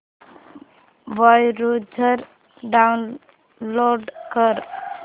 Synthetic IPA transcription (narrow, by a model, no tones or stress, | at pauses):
ʋajɾud͡ʒʱəɾ | ɖan | loɖkəɾ